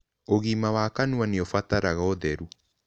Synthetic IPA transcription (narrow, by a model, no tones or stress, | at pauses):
oɣiːmawaːkanuaneɔfataɾaɣaoðɛɾu